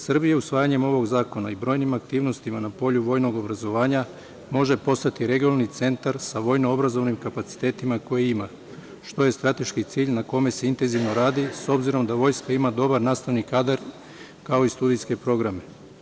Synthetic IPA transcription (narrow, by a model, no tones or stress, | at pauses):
srbijausʋaːjaɲe̞mo̞ʋo̞ɡzaːko̞naibɾo̞ːjnimak̚t̪iːʋno̞st̪imanapo̞ʎuʋo̞ːjno̞ɡo̞bɾazo̞ʋaːɲa | mo̞ʒe̞po̞st̪at̪iɾe̞ɡionanit̪se̞nt̪aɾsaʋo̞jnoobɾazo̞ʋnimkapat̪si̥t̪e̞ːt̪imako̞jeima | ʃt̪o̞je̞st̪ɾat̪e̞ʃkit̪siːʎnako̞me̞se̞int̪e̞nziʋno̞ɾaːd̪iso̞bziɾo̞md̪aʋo̞ːjskaimad̪o̞baɾnaːst̪aʋnikaːd̪aɾ | kao̞ist̪uːd̪ijske̞pɾo̞ɡɾame̞